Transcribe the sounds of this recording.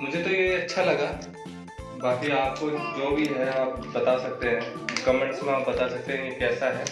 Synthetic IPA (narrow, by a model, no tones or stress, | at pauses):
mʊd͡ʒʱet̪ojeɐtːʃʰalɐɡa | baːkiaːp̚kod͡ʒoːbʱiɦɛaːp̚bɐt̪asɐk̚t̪eɦɛ̃ː | kɐmẽɳʈskoɦãːpbɐt̪asɐk̚t̪eɦɛ̃jekɛːsaɦɛː